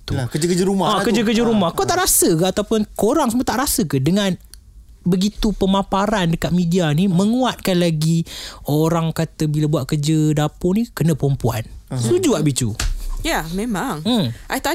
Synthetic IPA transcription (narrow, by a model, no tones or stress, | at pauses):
t̪ukəd͡ʒəkəd͡ʒəɾumaakəd͡ʒəkəd͡ʒəɾumahkawt̪aʔɾasəkaat̪awpʊnkoɾaŋsəmuət̪aʔɾasəkədəŋãn | bəɡit̪upəmãpaɾandəkat̪̚mĩdianimə̃ŋuat̪̚kanlaɡioɾaŋkat̪əbilabuwat̪̚kəd͡ʒədapʊnikənəpɾɔmpua̰nsud͡ʒuaʔbit͡ʃṵjamẽmaŋ̩mʔajt̪a